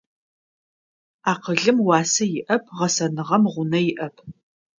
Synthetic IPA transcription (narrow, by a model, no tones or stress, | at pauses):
aːqəɮɨmwɑːsɐjɪʔɐpʰʁɐsɐnɨʁɐmʁʷʊnɐjɪʔɐpʰ